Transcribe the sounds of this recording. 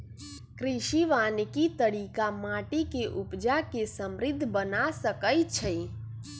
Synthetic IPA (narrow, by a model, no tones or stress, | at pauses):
kɾiʃiʋankit̪əɽikamaʈikeʔupd͡ʒakesəmɾɪd̪ʱːbənasəkəjt͡ʃʰəj